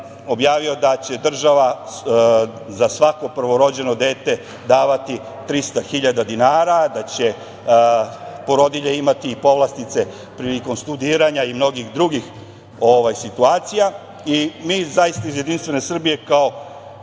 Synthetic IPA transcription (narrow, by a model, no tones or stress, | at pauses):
o̞bjaːʋio̞d̪at͡ɕe̞d̪r̩ʒaʋa | zasʋako̞pr̩ʋo̞ɾo̞d͡ʑe̞no̞d̪e̞ːt̪e̞ | d̪aːʋat̪i | t̪ɾist̪axiʎad̪ad̪inaːɾad̪at͡ɕe̞ | po̞ɾo̞d̪iʎeimat̪iːpo̞ʋlˠast̪it̪se̞ | pɾiːliko̞mst̪ud̪iːɾaɲaimno̞ɡixd̪ɾuɡix | o̞ʋajsit̪uaːt̪sija | imiːzajist̪aizje̞d̪inst̪ʋe̞ne̞sr̩bije̞kao̞